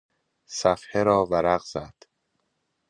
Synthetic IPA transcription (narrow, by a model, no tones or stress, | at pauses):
sæfheɾɒːvæɾæɣz̥æd̪̥